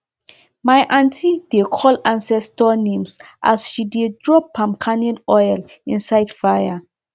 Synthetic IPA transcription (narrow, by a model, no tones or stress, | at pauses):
majʔãntʰid̥ekʰɔlãnsɛstɔnẽmsʔa̰sʃidedɹɔpʰːãmkʰanɛnɔjl | ĩnsajd̥faja